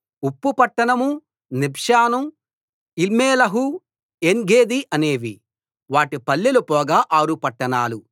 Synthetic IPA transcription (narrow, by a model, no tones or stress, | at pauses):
upːupɐʈːɐɳɐmu | nibʱʂaːnum | ilmeːlɐɦu | eŋɡeːd̪iʔɐne̞ːʋi | ʋaːʈipɐlːilupɔːɡaːʔaːɾupɐʈːɐɳaːlu